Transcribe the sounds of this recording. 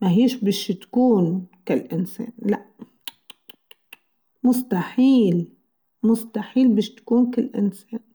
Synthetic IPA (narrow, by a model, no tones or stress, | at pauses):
maɦiːʃbɪːʃt̪ḁkuːnkalʔɪnsḛːnlaʔ | mʊst̪aħiːl | mʊst̪aħiːlbiːʃt̪ḁkuːnkalːʔɪ̰nseːn